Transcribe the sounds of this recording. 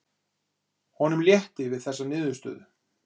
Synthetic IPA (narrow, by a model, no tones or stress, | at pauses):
hɔnʏmljɛht̪ɪvɪðθɛsːanɪːðʏst̪œ̰ːðʏ